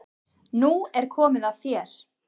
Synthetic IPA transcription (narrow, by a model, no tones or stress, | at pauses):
nuɛɾ̥kʰɔːmɪðaðθjɛɾ̥